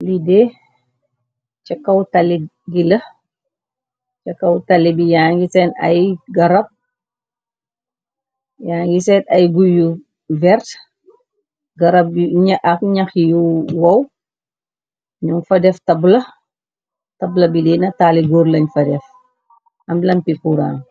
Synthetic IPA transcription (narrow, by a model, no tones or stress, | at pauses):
lidɛ | t͡ʃɐkːɐwtɐli | ɡilɐ | t͡ʃɐkːɐwtɐlibijaŋɡisɛnɐ̰jɡɐɾɐp̚ | jaːŋɡisɛtɐjɡuju | vɛrt | ɡɐɾɐp̚ɲaʔɐkɲɐxjuwɐw | ɲuŋfɐdɛftɐblɐ | tɐblɐbidinɐtaːliɡoɾlɐɲfɐdɛf | ɐmlɐmpikuɾa̰ːŋ